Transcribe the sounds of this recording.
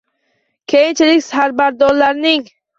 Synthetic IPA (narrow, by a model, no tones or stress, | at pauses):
kʲʰejint͡ʃʰilikʲsaɾbaɾd̪ɔɾlaɾniŋ